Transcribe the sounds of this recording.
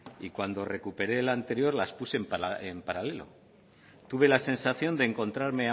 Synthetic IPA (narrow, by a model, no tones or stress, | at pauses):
ikwand̪o̞re̞kupe̞ɾe̞ːlant̪e̞ɾjo̞ɾlaspuse̞ːmpempaɾale̞lo̞̰ | t̪uβe̞lase̞nsaθjo̞nd̪eːŋko̞nt̪ɾaɾme̞a